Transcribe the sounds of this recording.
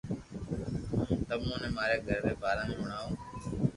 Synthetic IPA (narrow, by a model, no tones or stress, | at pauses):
t̪əmũːnẽːmaːɾeːɡʱəɾɾeːbaːɾãːmẽːməɳaːoː